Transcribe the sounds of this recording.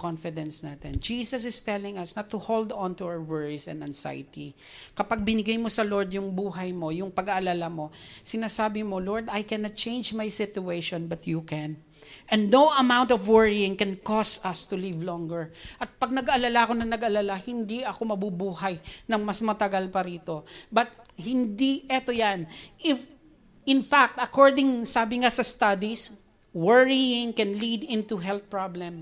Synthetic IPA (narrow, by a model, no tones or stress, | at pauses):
kɔnfɪd̪ɛ̃nsnat̪ɛnd͡ʒiːsɐsɪst̪ɛlɪ̃ŋɐsnɐt̪ʰːʊhowld̪ɔ̃nt̪uawəɹwɛɹisɛ̰̃nd̪ɐnsa̰jɪt̪i | kɐpaɡ̚bɪnɪɡajmosɐloɹd̪jʊŋbuːɦɐjmo̞jʊŋpɐɡaʔɐlalamo̞sɪnaːsaːbɪmo̞loɹd̪ɐjkɛnɐt̪̚t͡ʃẽjnd͡ʒmajsɪt̪ʊejʃɔ̃nbɐt̪jukɛ̃n | ʔɛ̃nd̪nowɐmãw̃nt̪ɔvwɛɹiɪ̃ŋkɛ̃nkɔstɐst̪ʊlɪvlɔ̃ŋɡɛɹʔɐt̪̚pɐɡ̚nɐɡɐlalaɐko̞nɐŋnɐɡɐlalahɪnd̪iʔɐko̞mɐbubuːhɐjnɐŋmɐsmɐt̪ɐɡalpɐɾiːt̪o̞bɐt̪̚hɪnd̪iʔɛt̪ojanʔɪf | ɪnfak̚t̪ɐkɔɹd̪ɪŋsaːbɪŋasɐst̪ad̪is | wɛɹiɪ̃ŋkɛnlid̪ɪ̃nt̪uɦɛlθ̚pɹablɛ̃m